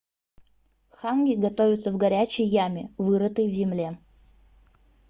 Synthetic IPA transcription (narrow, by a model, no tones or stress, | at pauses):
xanɡʲɪɡɐt̪ovʲɪt̪səvɡɐɾʲæt͡ɕɪjːamʲɪvɨɾət̪əjvzʲɪmlʲe